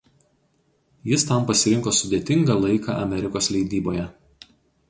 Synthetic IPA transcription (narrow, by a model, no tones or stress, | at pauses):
jɪst̪ɐmpɐsʲɪɾʲɪŋkoːsʊd̪ʲet̪ʲɪŋɡɑːlˠɐɪkɑ̰ʔɐ̰mʲɛɾʲɪkoːslʲɛɪd̪ʲiːboːjɛ